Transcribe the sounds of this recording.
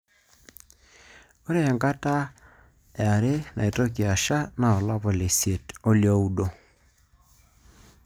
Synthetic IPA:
o˦ɾe˦ɛ˨ŋɡa˦ta˦ | e˨a˨ɾe˦na˨i˨to˦ki˨a˨ʃa˦na˨ɔ˨la˦pɔ˨le˨sje˨to˦ljɔ˦u˦ɗo˦

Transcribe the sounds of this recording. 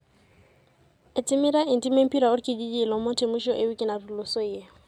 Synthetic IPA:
e˨tʼɪ˦mi˦ɾa˦ɪ˨n̩tʼi˦me˦m̩˦pi˦ɾa˨ʊ˦rikʼɪ˦d͡ʒi˦d͡ʒiː˦˨lɔ˨˦mo˦tʰe˨mu˦ʃɔ˦ʔe˦wi˦kʼɪ˦na˨ru˨lʊ˨so˦je˦˨

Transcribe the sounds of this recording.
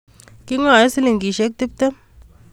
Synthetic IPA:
ki˦ŋa˨e˦si˦li˨ŋki˨ʃe˦k̚ti˦p̚t̪e˦m

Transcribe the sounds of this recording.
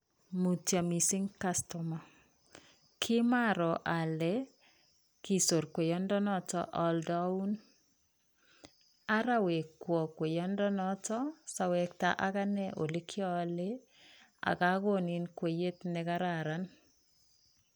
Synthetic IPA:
mu˨tja˨mi˨sɪ˦ŋka˦stɔ˨ma˨ | kʰɪ˦ma˦ɾɔ˨ʔa˨lɛ˦ | ki˨so˨ɾkwe˨jɔ˦ndɔ˦nɔ˦tɔ̰˦ʔɔ˨ldɔ˦u˦n | a˦ɾa˦we˨kwɔ˨kwe˨jɔ˦ndɔ˦nɔ˦tɔ˦sa˨wɛ˨k̚ta˦ʔa˦ka˦nɛ˦ʔo˨li˦kʰɪ˦ɔ˦le˦ | a̰˨ka˦ɣo˦nɪ˨nkwe˨je˦tnɛ˨ka˦ɾa˨ɾa˦n

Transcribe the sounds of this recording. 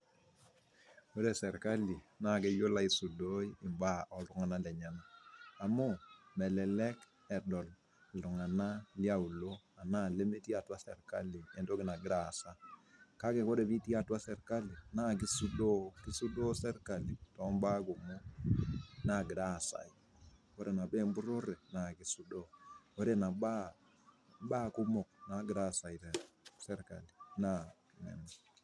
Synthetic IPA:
ko˦dɛ˨sɛ˨ɾka˦li˨na˦˨kɛ˦jo˦la˦i˨su˨do˦i˦ɪ˨mba˦ɔ˨lʊ˨ŋa˨na˦lɛ˨ɲa˨naː˨mu˦mɛ˨lɛ˨lɛ˦k | ɛ˨dɔ˨l | lʊ˨ŋa˨na˦lja˦u˨lo˦ | a˨na˦˨le˦mi˦ti˦a˨twa˦sɛ̰˨rka˦li˨ɛ˨ndo˦kɪ˦na˨ɡɪ˦ɾa˨sa˦ka˦kɛ˨ko˦dɛ˨bi˦ti˦a˨twa˦sɛ˨ɾka˦li˨na˦˨ɡi˦su˦ɗɔ˦ki˦su˦ɗɔ˦sɛ˦ɾka˨li˨tɔ˨˦mba˦k̬u˨mɔ˦ | na˦˨ɡi˨ɾa˦˨sa̰˨i˨ | wo˦ɾɛ˨na˨bɛ˦mbu˦ɾo˦ɾɛ˨na˨ɡi˨su˦ɗo˦wɔ˦ɾɛ˦˨na˨ɓa˦ | ɓaː˦ku˦mɔ˨k̚na˨ɡɾa˦˨sa˨i˨te˨ | sɛ˦ɾka̰˨li˨na˦ | ŋɛ̰˨na˨

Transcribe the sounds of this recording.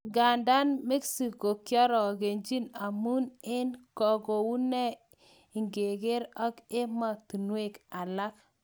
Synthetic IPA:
ɡa˨nda˦nme˦ksi˨ko˨kjɔ˦ɾɔ˨ɡe˨ɲd͡ʒi˦na˨mu˦ne˦nkɔ˨ɡo˨wu˦nɛ˦ | i˨ŋɡe˨ɡe˦ɾa˦ke˦ma˨tu˨nwe˦˨ka˨la˦k

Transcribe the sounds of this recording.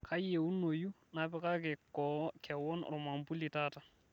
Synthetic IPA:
kʰa˦je˨u˦nːo˨ju˦ | na˨pɛ˦ka˦kɛ˨kɔkʰɛ˨wɔ˦nɾɔ˨ma˨mpu˦li˨ta˦ta˨

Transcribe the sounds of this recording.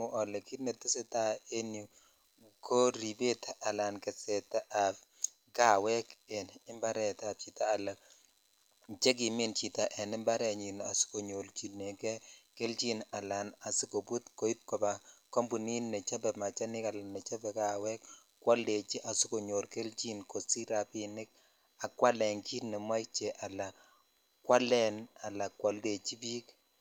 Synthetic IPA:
u˨ɔ˨lɛ˨ki˦nɛ˨tɪ˦sɛ˦ta˦e˦ni˨ | ko˦ɾi˨be˦ta˨a˨la˨nkɛ˨sɛ˨ta˦ʔa˨b | ɡa˦wɛ˦kɛ˨nɪ˦mba˦ɾɛ˨ta˨p̚t͡ʃi˨taː˦˨la˨k̚ | t͡ʃɛ˦k̬i˨mi˦nt͡ʃi˨ta˨ʔɛ˨nɪ˦mba˦ɾɛ˨ɲi˨na˨su̥˦ko˨ɲo˨lt͡ʃi˨ne˨kɛ˦ke˦lt͡ʃi˦na˨la˨na˨sɪ˦ko˨bu˦tko˨i˦p̚kɔ˨ba˨kɔ˦mbu˨ni˦nːɛ˨t͡ʃa˦bɛ˨ma˨t͡ʃa˦nɪ˦ka˨la˨nɛ˨t͡ʃa˦bɛ˨ka˨wɛ˦kkːwa˦lde˨t͡ʃi˦ʔa˨sʊ˦ko˨ɲo˨lke˦lt͡ʃi˦nko˨si˦ɾa˨pinɪ˦k̚ | a˨kwa˦lɛ˨ŋkt͡ʃi˦nɛ˨ma˦jk̚t͡ʃɛ˨ʔa˨la˨ | kwa˦lɛ˦na˨la˨kwa˨lde˨t͡ʃi˦bi˦k

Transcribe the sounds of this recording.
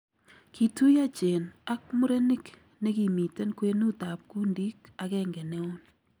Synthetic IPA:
kʰi˨tu˦ja˦t͡ʃe˨na˦k̚mʊ˦ɾe˦ni˦k | ne˦ki˨mi˨te˦nkwe˦nu˦ta˨p̚ku˦ndi˦ka˨kɛ˦ŋɡe˨ne˦o˦n

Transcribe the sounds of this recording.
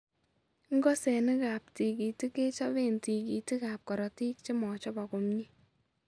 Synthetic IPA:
ŋɡɔ˦sɛ˨nɪ˦ka˨p̚ti˨ki˨ti˦ke˦t͡ʃɔ˦βe˦nti˨ki˨ti˦ka˨p̚kɔ˨ɾɔ˨ti˦k̚t͡ʃɪ˦mɔ˨t͡ʃɔ˦ba˨kʊ˨mɲi˦

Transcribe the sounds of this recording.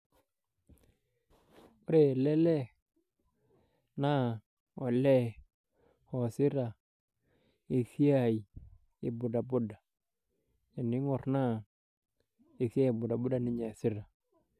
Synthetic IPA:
o˦ɾe˨lɛ˦lɛ˦ | na˦ | ɔ˨lɛ˦ | hɔ˨sɪ˦ɾa˨ | i˨si˦a˦˨i˨ | ɪ˨bʊ˨da˨bʊ˦da˨ | ɲa˨nɪ˦ŋɔ˨ɾna˦ | i˨si˦a˦˨bʊ˨da˨bʊ˦da˨nɪ˦ɲa˨sɪ˦ɾa˨

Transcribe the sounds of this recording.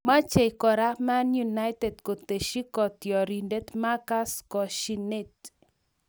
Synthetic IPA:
ma˦t͡ʃe˨kɔ˨ɾa˦ma˦nju˨na˦jte˨dko˨t̪e˨ʃi˦kɔ˨t̪jɔ˨ɾi˨nde˦tma˦ka˦skɔ˨ʃi˦ne˦˨t

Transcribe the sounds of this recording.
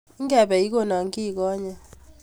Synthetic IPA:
i˦ŋɡɛ˨ɓɛ˨i˦k̬o˦˨na˨ŋ˦ki˦˨k̬ɔː˦ɲa˨

